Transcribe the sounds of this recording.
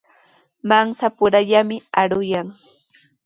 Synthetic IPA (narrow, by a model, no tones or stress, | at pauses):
maŋsapʊɾaʎamɪaɾʊjaŋ